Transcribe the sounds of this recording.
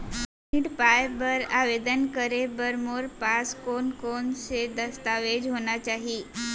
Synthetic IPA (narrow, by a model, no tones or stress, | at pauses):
niʈpajbəɾaʋed̪ənkəɾebəɾmoɾpaskonkonsed̪əst̪aʋed͡ʑɦoɳat͡ɕaɦi